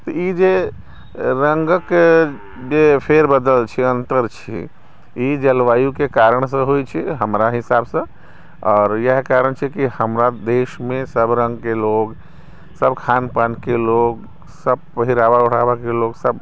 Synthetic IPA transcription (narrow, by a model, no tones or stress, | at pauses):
t̪ɔid͡ʒe | ɾəŋɡək | d͡ʒepʰeɾbəd̪əlt͡ʃʰɛənt̪əɾt͡ʃʰḭ | id͡ʒəlʋajukekaɾəɳ̃s̬ə̃ɦojt͡ʃʰɛɦəmɾaɦisabsə̃ | ɔːɾjəɦkaɾəɳt͡ʃʰɛkihəmɾad̪esmesəbɾə̃ŋɡkelok | səbkʰanpankelok | səb̚pəɦiɾabauɽ̤ʰabakeloksəb